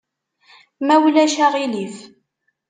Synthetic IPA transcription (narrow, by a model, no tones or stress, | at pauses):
mæwlæʃaʁilif